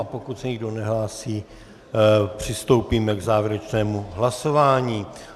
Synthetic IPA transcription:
apokut̪sɛɲɪɡdo̞nɛɦlaːsiː | pr̝̥ɪst̪o̞wpiːmɛɡzaːvjɛɾɛt͡ʃnɛːmuɦlaso̞vaːɲiː

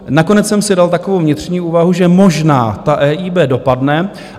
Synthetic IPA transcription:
nako̞nɛt͡ssɛmsɪdalt̪ako̞vowvɲɪt̪r̝̥ɲiːʔuːvaɦuʒɛmo̞ʒna̰ːt̪aʔɛːʔiːbɛːdo̞padnɛ

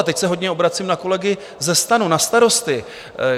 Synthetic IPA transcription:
t̪ɛcsɛɦo̞dɲɛo̞bɾat͡siːmnako̞lɛɡɪ | zɛst̪anunast̪aɾo̞st̪ɪ

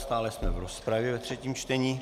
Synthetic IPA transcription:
st̪aːlɛsmɛvɾospɾavjɛvɛt̪r̝̥ɛciːmt͡ʃt̪ɛɲiː

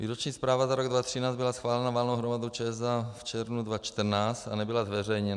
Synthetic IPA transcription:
vḭːɾot͡ʃɲiːspɾaːvazaɾoɡdvat̪r̝̥ɪnaːt͡s̪bɪlasxvaːlɛnavalnowɦɾomadowt͡ʃɛzaft͡ʃɛɾvnudvat͡ʃt̪r̩naːt͡st̪anɛbɪlazvɛrɛjɲɛna

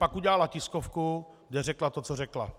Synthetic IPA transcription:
pakuɟɛlalacɪskofku | ɡdɛrɛklat̪ot͡sorɛkla̰

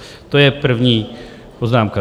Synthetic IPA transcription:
t̪ojɛpr̩vɲiː | poznaːmka

